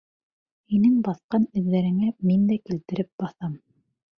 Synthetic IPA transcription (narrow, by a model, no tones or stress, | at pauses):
hinɘŋbɑθqɑnɘ̆ðːæɾɘ̆ŋæmind̪ækilt̪ɘ̆ɾɘp̚bɑθɑm